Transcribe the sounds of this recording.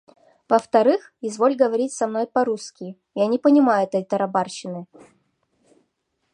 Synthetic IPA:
vəft̪ɐɾɨxɪzvo̞lʲɡəvɐɾʲitʲsɐmno̞jpɐɾuskʲɪ | janʲɪpənʲɪmajʊɛt̪əjt̪əɾɐbarɕɪnɨ

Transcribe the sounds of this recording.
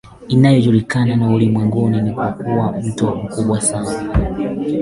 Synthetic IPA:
inajɔʄuɾikananaulimwɛŋɡuninikakuwam̩tɔm̩kuɓwasana

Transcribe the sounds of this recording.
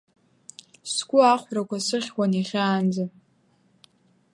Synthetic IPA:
sɡʷʼʊaχʷrakʷʰasɨχʲwʷaniχʲaːnd͡za

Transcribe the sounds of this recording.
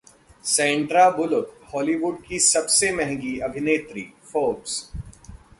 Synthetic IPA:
sɛ̃ːɳʈɾabʊlʊkhɔːliːʋuːɖ̚kisɐbsemɛɦŋɡiɐbʱɪneːt̪ɾḭːfoːbs

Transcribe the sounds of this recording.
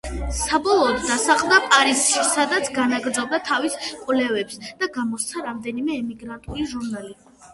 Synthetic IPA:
sabɔlˠɔːd̪ːasaχʼmd̪apʼaɾisʃisad̪at̪sʰɡanaɡɾd̪zɔb̚d̪at̪ʰaviskʼwlɛvɛpsd̪̥aɡamɔst̪sʰaɾamd̪ɛnimɛːmiɡɾant̪ʼuliʒuɾnali

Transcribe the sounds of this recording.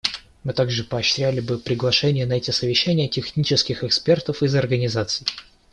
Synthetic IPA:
mɨt̪aɡʐɨpɐːɕɾʲælʲɪbɨpɾʲɪɡlˠɐʂɛnʲɪjənɐɛtʲɪsəvʲɪɕːænʲɪjətʲɪxnʲit͡ɕɪskʲɪxɛkspʲe̞rt̪əfɨzɐrɡənʲɪzat̪sɨj

